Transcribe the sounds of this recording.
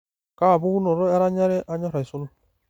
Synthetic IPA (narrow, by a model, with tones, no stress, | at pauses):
ka˦˨bu˦u˦nɔ˨ɾɔ˦ɛ˦ɾa˦ɲa˦ɾe˦ʔa˦ɲɔ˦ɾa˨i˨su˦n˦